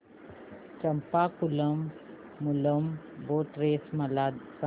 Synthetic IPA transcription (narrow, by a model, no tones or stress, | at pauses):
t͡ʃɐmpakuləmː | uləm | boːʈɾeːsmɐlas